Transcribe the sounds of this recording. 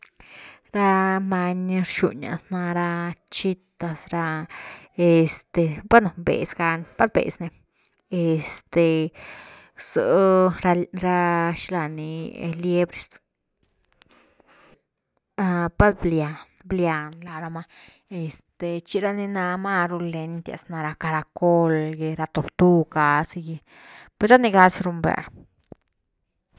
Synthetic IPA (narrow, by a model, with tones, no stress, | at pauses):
ɾa˦ma˧ɲ˦ɾʃṵ˨ɲa̰˨sna˧ɾa˦t͡ʃi˦t̪a˧sɾa˧ | e˨st̪e˨ba˦no˨mbḛ˨sɡa˧npa˦d̪bḛ˨sne˧ | e˨st̪e˨ | so˨ɾa˧ɾa˦ʃla˧ni˧˨ḛ˧le˦bɾe˨s | a˧pa˦d̪blja˨nblja˨˧nla˨ɾa˧ma˧ | e˨st̪e˨t͡ʃi˧ɾa˦ni˧na˧ma˦ɾu˧le˧nt̪ja̰˨sna˧ɾa˧ka˧ɾa˧ko˦lɡe˧ɾa˧t̪o˧ɾt̪u˦ka˨˧si˧ji˧ | pe˧sɾa˦ni˧ɡa˧sɾu˧mbḛ˧˨ɾ